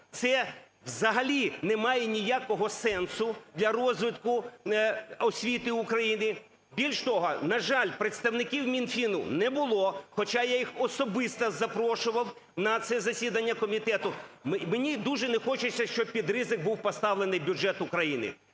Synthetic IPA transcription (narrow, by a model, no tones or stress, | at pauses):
t̪sɛ | wzɐɦɐlʲinɛmɑjɛnʲijakɔɦɔsɛnsʊd̪lʲɐrɔzʋɪt̪kʊ | ɔsʲʋʲit̪ɪʊkɾɐjinɪ | bʲilʲʃt̪ɔɦɔnɐʒɑlʲpɾet̪st̪ɐwnɪkʲiwmʲinfʲinʊ̰nɛbʊlˠɔxɔt͡ʃajajixɔsɔbɪst̪ɐzɐpɾɔʃʊʋɐw | nɐt̪sɛzɐsʲid̪ɐnʲːɐkɔmʲit̪ɛt̪ʊmmenʲid̪uʒɛnɛxɔt͡ʃʊt͡sʲːɐʃt͡ʃɔb̚pʲid̪ɾɪzɪk̚buwpɔst̪ɑʋlˠenɪjbʲuʒɛt̪ʊkɾɐjinɪ̰